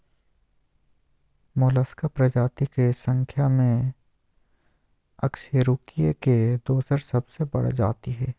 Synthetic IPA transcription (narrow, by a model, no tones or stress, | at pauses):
moːləskapɾɐd͡ʒaːt̪ikesə̃ŋkʰjamẽ | ɐ̰kʃeɾuːkijeked̪oːsəɾsɐbsebɐ̰ɽd͡ʒa̰ːt̪iɦɛː